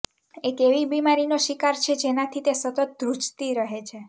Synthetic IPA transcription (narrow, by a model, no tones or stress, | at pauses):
ekeʋibimaɾinoʃikaɾt͡ʃʰed͡ʒenat̪ʰit̪esət̪ət̪̚d̪ɾut͡ʃt̪iɾəɦet͡ʃʰe